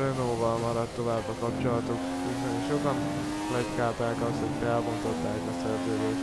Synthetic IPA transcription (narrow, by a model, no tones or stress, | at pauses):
ønoːvɒlmɒɾɒt̪ːo̞vaːbːɒkɒp̚t͡ʃo̞lɒt̪ok | isɛniʃo̞kɒn | lɛckaːt̪aːkɒsho̞ɟfɛlbo̞nt̪o̞t̪ːaːkɒsɛrzøːd̪eː